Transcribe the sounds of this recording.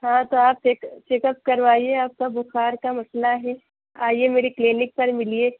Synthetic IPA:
ɦãːt̪oaːp̚t͡ʃekt͡ʃeːkəp̚kɐɾʋaːieaːp̚kabʊxaːɾkamɐslaɦɛː | aːiemeːɾikleːnɪk̚pɐɾmɪlieː

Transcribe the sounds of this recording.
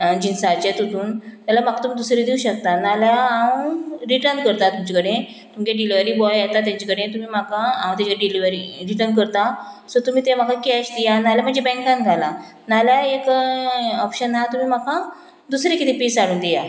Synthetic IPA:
d͡ʑinsaɾt͡ɕet̪ut̪uːnt̪alam̤akʰat̪um̤iːd̪usɾed̪iuɕək̚t̪analjaãwɾiʈəɾnkəɾt̪at̪umt͡ɕikəɽẽ | t̪umkeɖiliʋəɾiːbɔjjat̪at̪jãɲt͡ɕikəɽ̤ẽt̪um̤iːm̤akaãw̃t̪jãt͡ɕikəɾeɖiliʋəɾiɾiʈənk̬əɾt̪a | sɔɾt̪um̤iːt̪em̤akakiaɕt̪ijanaljam̤əɳd͡zebɛ̃ŋkãnɡʱala | naljaek | ɔpɕənːat̪um̤iːm̤aka | d̪usɾekit̪ʰipiːsaɽuːnd̪ija

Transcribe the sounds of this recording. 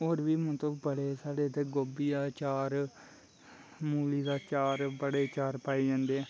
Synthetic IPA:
oːɾʋiːmət̪ləbbəɽeːsaːɽeːt̪eːɡoːbiːd̪aːt͡ʃaːɾ | muːliːd̪aːt͡ʃaːɾbəɽeːt͡ʃaːɾpaːeːd͡ʒãːnd̪eːɛː

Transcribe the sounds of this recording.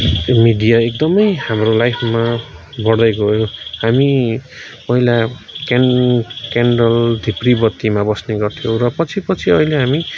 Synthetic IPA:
miɖijaek̚d̪ʌmʌjhamrolajpʰma | bʌɽd̪ʌjɡojohami | pʌɦila | knkaɳɖʌld̪ʱipribʌt̪ːimabʌsneɡʌrt̪ʰijorʌpʌt͡sʰipʌt͡sʰiʌileɦami

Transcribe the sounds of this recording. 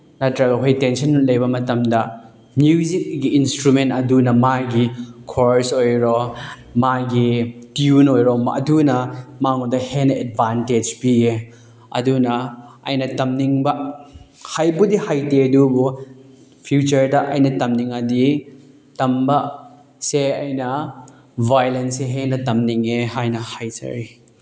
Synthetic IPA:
nɐtɾɐɡɐɦojtensɐnlɐjbɐmɐtɐmdɐ | mjuzik̚ɡiːnstɾumentɐdunɐmaɡikʰoɾsojɾo | maɡitiunojɾomɐ̰dunɐmaŋodɐhenɐed̚banted͡ʒpie | ɐ̰dunɐɐ̰jnɐtɐmniŋbɐ | hajbudihajtedubu | pʰjut͡ʃɐɾdɐʔɐ̰jnɐtɐmniŋadi | tɐmbɐ | seɐjnɐ | bajlenseɦenɐtɐmniŋeɦajnɐhajd͡ʒɐ̰ɾi

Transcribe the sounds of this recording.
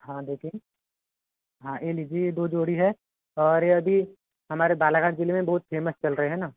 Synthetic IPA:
ɦãːd̪eːkʰiẽ | ɦãːʔeːlid͡ʒiːjed̪oːd͡ʒoːɽiɦɛ | ɔːɾjɐbʱi | ɦɐmaːɾebaːlaːɡaːd͡ʒɪlemẽbɐɦʊt̪fʰeːməst͡ʃɐlɾɐɦeɦɛ̃ːnaː

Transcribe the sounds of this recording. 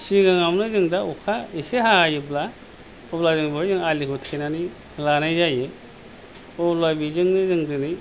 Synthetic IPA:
siɡɯŋamnɯzɯŋdaukʰaiseɦaajɯbla | ɔblazɯŋbojzɯŋalikʰutʰenani | lanajzajɯ | ɔlajbizɯŋnɯzɯŋdɯni

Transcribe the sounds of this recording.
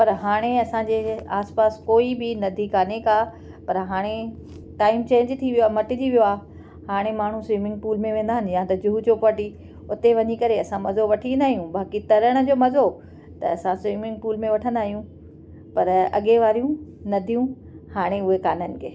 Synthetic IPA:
pɐɾɦaːɽ̃eɐsãd͡ʑeːaːspaːskoːibɪnɐd̪ʱikaːnekaː | pɐɾɦaːɽ̃e | ʈaːɪmt͡ɕẽːɲd͡ʑt̪ʰiʋijoaːmɐʈɪd͡ʑiʋijoaː | haːɽ̃emaːɳ̤ũsʋiːmɪ̃ŋɡpuːlmẽʋẽːnd̪aːɦɪnɪ̆jãt̪ɐd͡ʑʊɦut͡ɕopɐʈi | ʊt̪eʋɐɲikɐɾeɐsãmɐzoʋɐʈʰĩnd̪aːɦijũbaːkit̪ɐɾəɽ̃ʊ̆d͡ʑoːmɐzo | t̪ɐ̰ɐsãsʋiːmɪ̃ŋɡ̚puːlmẽʋɐʈʰə̃nd̪aːɦijũ | pɐɾɐ̰ɠeʋaːɾijũ | nɐd̪ʱijũ | haːɽ̃eʊɦekaːnənɪ̆kʰeː

